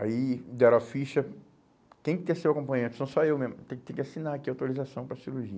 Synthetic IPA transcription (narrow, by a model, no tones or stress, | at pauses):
aid̪ɛɾafiʃɐ | kẽj̃kɪt̪ẽjɐsewakõpɐ̃j̃ẽnt̪ʊ̥sõw̃sɔewmẽzmʊt̪ẽk̚t̪ẽkɪasinaakiawt̪oɾizasɐ̃w̃pɾɐsiɾuɾʒiɐ